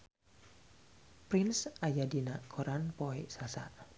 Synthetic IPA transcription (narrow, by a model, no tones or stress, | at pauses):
pɾinsʔajadinaʔkʰɔɾʔanpɔɛsasa̰ʔ